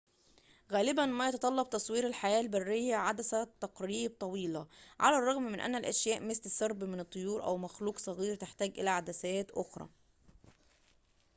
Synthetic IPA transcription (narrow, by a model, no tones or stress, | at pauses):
ɣæːlɪbænmæːjɑt̪ɑt̪ˤɑlːɑb̚t̪ɑsˤwiːɾelħajæːlbærːɪjːæʕad̪æsæt̪ːɑqɾiːb̚t̪ˤɑwiːlæʕa̰lærˤːɑɣmːɪnʔæ̰nːælʔæʃjæːʔmest̪ɪsːɑɾˤbmɪnɨt̪ˤːojuːɾʔæ̰wmæxluːqsˤɑɣiːɾt̪eħt̪æːɡʔɪ̰læʕad̪æsæːt̪ʔoxɾˤɑ̰ː